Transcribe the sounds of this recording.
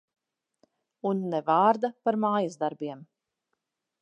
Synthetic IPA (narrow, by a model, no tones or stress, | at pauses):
unːɛvaːɾd̪apaɾmaːjazd̪aɾbiɛm